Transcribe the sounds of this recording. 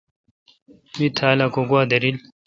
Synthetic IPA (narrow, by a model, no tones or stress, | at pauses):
mit̪ʰaːlakoɡwaːd̪ɐɾil